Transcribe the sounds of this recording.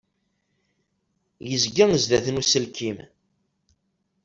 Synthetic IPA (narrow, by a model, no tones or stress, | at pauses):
jəzɡæŋzðæθənusəlkʰim